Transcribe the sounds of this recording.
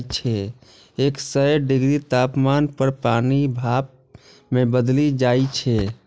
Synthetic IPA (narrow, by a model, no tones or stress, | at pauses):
t͡ʃʰɛ | eksəjɖiɡɾit̪apmanpəɾpanibʱap̚ | mebəd̪lid͡ʒajt͡ʃʰɛ